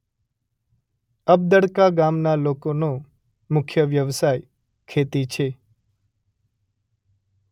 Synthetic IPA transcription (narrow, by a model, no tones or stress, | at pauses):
əb̚d̪əɽkaɡamnalokono | mʊkʰjəʋjəʋsaj | kʰet̪it͡ʃʰe